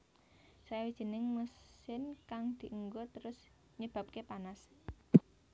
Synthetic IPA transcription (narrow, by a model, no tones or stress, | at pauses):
sawid̥ʒ̥i̤nɪŋməsɪnkaŋd̪̥i̤ʔəŋɡot̪əɾʊs | ɲəb̥a̤p̚kepanas